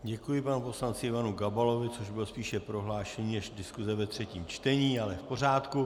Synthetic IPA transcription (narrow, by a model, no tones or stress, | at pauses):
ɟɛkujɪpanupo̞slant͡sɪɪvanuɡabalo̞vɪt͡so̞ʒbɪlspiːʃɛpɾo̞ɦlaːʃɛɲinɛʒdɪskuzɛvɛt̪r̝̥ɛciːmt͡ʃt̪ɛɲiːalɛfpo̞r̝aːt̪ku